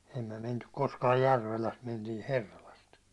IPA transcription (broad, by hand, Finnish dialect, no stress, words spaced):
ei myæ mentyk koskɑːj jærʋelæst mentiː herːɑlɑst